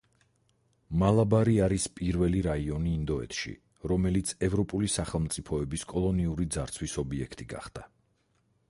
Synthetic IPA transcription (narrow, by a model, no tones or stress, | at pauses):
malˠabaɾiaɾispʼiɾvɛliɾaiɔniːnd̪ɔɛ̰t̪ʰʃḭ | ɾɔmɛlit̪sʰɛvɾɔpʼulisaχɛlˠmt̪sʼipʰɔɛbiskʼɔlˠɔniuɾid̪zaɾt̪sʰwisɔbiɛkʰt̪ʼiɡa̰χd̪̥a